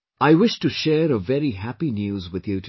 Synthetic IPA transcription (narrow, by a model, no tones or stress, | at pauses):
aɪwɪʃtɨʃɛɾəvɛɾiɦæpinjʉzwɨðjutʰ